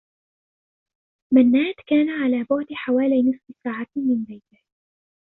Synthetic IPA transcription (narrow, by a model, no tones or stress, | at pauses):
manːaːt̪kaːnaʕalaːbʊʕd̪ħawaːlijnɨsˤfsaːʕamɪnbajt̪ɪh